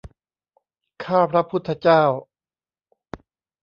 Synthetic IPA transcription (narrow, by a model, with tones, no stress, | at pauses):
kʰaː˥˩pʰɾa˦˥pʰu˦˥t̪ʰːa˧˥t͡ɕaː˥˩w